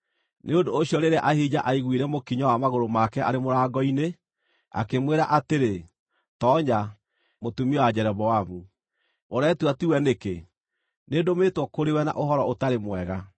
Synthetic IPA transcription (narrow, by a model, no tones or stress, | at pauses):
nʔeondoːɕiɔɾeɾeaʔahid͡ʑaʔaiɣwiɾɛmokiɲawamaɣoɾomakɛʔa̰ɾemoɾaːɡɔine | a̰kemweɾaʔateɾe | tɔːɲa | motumiɔwad͡ʑɛɾɛβɔwamu | moɾɛtuatiwɛneke | nedometwɔkoɾewɛna̰ʔoɦɔɾɔotaɾemwɛɣa